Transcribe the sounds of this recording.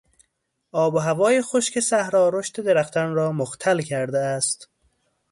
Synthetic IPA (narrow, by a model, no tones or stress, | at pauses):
ɒːboɦævɒːjexoʃkʲesæhɾɒːɾoʃt̪ed̪eɾæxt̪ʰænɾɒːmoxt̪ʰælkʲʰæɾd̪eæst̪